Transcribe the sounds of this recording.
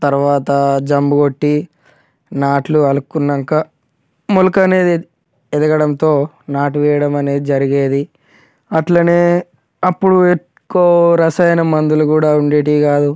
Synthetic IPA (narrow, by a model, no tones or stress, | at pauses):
t̪ɐɾuʋaːt̪ɐd͡ʒɐmbuɡo̞ʈːi | naːʈluɐlukːunːɐŋkɐ | mulukɐne̞ːd̪i | ɛd̪ɐɡɐɽɐnt̪o̞ː | naːʈ̬uʋɛːjɐɽɐmɐne̞ːd̪id͡ʒɐɾiɡe̞ːd̪i | ɐʈlaːneː | ɐpːuɽue | kːoːɾɐsɐjɐnɐmɐnd̪ulukuːɽaːuɳɖeːʈikaːd̪u